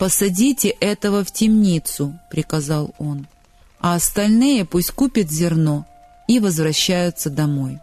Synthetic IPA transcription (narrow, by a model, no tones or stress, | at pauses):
pəsɐdʲitʲɪʔɛt̪əvəftʲɪmnʲit̪sʊpɾʲɪkɐzɑlˠo̞n | ɐɐst̪ɐlʲnɨjəpusʲtʲkupʲɪt̪zʲɪrno̞ | ivəzvɾɐɕːæjʊt̪səd̪ɐmo̞j